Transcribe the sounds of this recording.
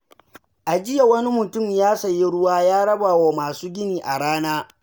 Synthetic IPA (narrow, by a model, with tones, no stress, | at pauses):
ʔa˨d͡ʒɪ˦ja˨wɐ˦ni˦mʊ˨tʊ˦˨mjaː˦sɐ˨ji˦ɽʊ˦waː˦jaː˦ɽɐ˦baː˨woː˨maː˨suː˦ɡʲɪ˦niː˨ʔa˨ɽaː˦naː˦